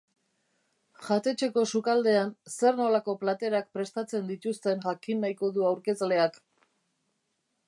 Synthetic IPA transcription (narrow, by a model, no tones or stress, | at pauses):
ʝat̪e̞t͡ʃe̞ko̞sukald̪e̞anse̞rno̞lako̞plat̪e̞ɾak̚pɾe̞st̪at͡se̞nd̪it̪ust̪e̞nʝakinːajko̞ðuawɾke̞zle̞ak